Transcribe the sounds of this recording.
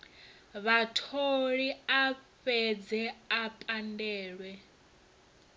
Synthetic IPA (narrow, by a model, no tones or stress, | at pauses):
βatʰoɺiaɸɛd͡zɛapʼandɛːɺwɛ